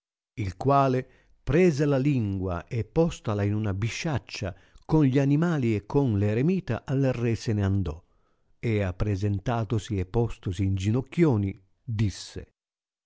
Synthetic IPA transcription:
ilkwaːle | pɾɛːzelaliŋɡwa̰ʔepːɔst̪alainunabiʃːat͡ʃːa | konʎianimaːliɛkʰːonleɾemiːt̪a̰ʔalːerːɛsɛneand̪ɔ̰ | ɛapːɾezɛnt̪aːt̪osiɛpːɔst̪osiːnd͡ʒinɔkːjoːni | d̪isːḛ

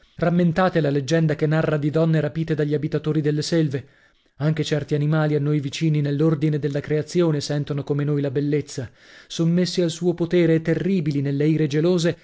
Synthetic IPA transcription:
ramːent̪aːt̪elaled͡ʒːɛnd̪akenːarːad̪id̪ɔnːeɾapiːt̪ed̪aʎːabit̪at̪oːɾid̪elːesɛlve | aŋk̟et͡ʃɛrt̪ianimaːlianːojvit͡ʃiːninelːord̪ined̪elːakɾeat̪sːjoːnesɛnt̪onokomenoːjlabelːet̪sːa | somːesːialsuːopot̪eːɾeɛt̪ːerːiːbilinelːeiːɾed͡ʒeloːze

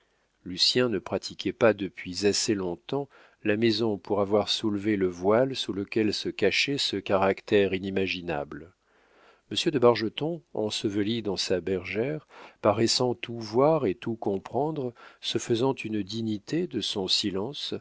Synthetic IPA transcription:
lysjɛ̃nəpχat̪ʰikʲʰɛpad̪əpɥizasɛlɔ̃t̪ɑ̃ | lamezɔ̃puʁavwaʁsulveləvwalsuləkʲɛlsəkaʃɛsəkaʁakt̪ɛʁinimaʒina̰bl | məsjəd̪əbaʁʒət̪ɔ̃ɑ̰̃səvəlid̪ɑ̃sabɛʁʒɛʁpaʁɛsɑ̃t̪ʰuvwaʁet̪ukɔ̃pχɑ̃d̪ʁsəfəzɑ̃t̪ʰynd̪iɲit̪ed̪əsɔ̃silɑ̃s

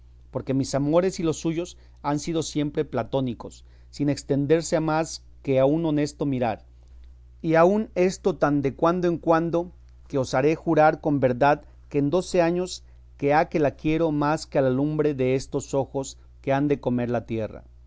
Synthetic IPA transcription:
po̞ɾke̞misamo̞ɾe̞silo̞sːuʝo̞s | ansið̞o̞sje̞mpɾe̞plat̪o̞niko̞sː | ine̞kst̪e̞nd̪e̞ɾse̞amas | ke̞auno̞ne̞st̪o̞miɾaɾ | iaune̞st̪o̞t̪and̪ekwand̪oeŋkwand̪o̞ | keo̞saɾe̞xuɾaɾko̞mbe̞ɾðað | keːnd̪o̞se̞aɲo̞s | ke̞ake̞lakje̞ɾo̞maskealalumbɾe̞ðe̞est̪o̞so̞xo̞s | ke̞and̪e̞ko̞me̞ɾlat̪je̞ra̰

